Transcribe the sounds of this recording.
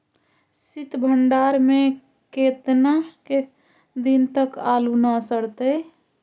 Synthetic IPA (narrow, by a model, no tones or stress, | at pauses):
sit̪bʱəɳɖaɾme | ket̪nake | d̪int̪əkalunasəɽt̪ə